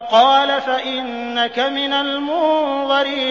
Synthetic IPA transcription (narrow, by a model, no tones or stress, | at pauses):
qɑːlafaʔɪnːakamɪnalmʊnðɑɾɪ